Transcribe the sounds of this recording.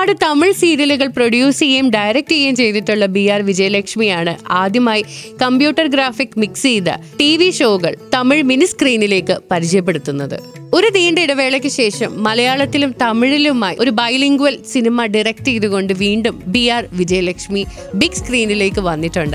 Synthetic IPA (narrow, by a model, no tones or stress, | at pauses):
ɽet̪ɐmiɭsiːɾiɐluɣɐɭproɖjuːsiɣejumɖɐjɾek̚tɣɐjumt͡ɕe̞jðiʈːuɭːɐbijaːrʋid͡ʑɐjɐlɐkʂmijaːɳɨaːd̪jɐmaːjikɐmpjuːʈːɐrɡɾaːfikːmiksiːðɐ̰ʈiːʋiɕo̞ːɣɐ̰ɭt̪ɐmiɭminiskriːnile̞ːkːɨpɐɾit͡ɕɐjɐp̬ːe̞ɽut̪ːunːɐðɨ̰ | o̞ɾud̪iːɳɖeiɽɐʋe̞ːɭɐk̬ʲːɨɕe̞ːʂɐmːɐlɐjaːɭɐt̪ːilumt̪ɐmiɻilumaːjiʔo̞ɾubɐjliŋɡuʋɐlsinimɐɖirɐk̚ʈejðuɣo̞ɳɖɨʋiːɳɖumbiːaːrʋid͡ʑɐjɐlɐkʂmi | bikskriːnile̞ːkːɨʋɐnːiʈːuɳɖɨ